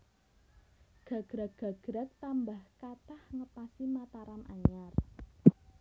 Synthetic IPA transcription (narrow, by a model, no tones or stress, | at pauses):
ɡ̥ä̤ɡ̥ɾaɡ̥a̤ɡ̥ɾak̚t̪ambahkat̪ahŋəpasimat̪aɾanʔa̰ɲar